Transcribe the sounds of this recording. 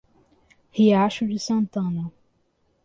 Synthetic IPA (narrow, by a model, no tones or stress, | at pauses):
hiaʃud͡ʒɪsɐ̃nt̪ɐ̃nɐ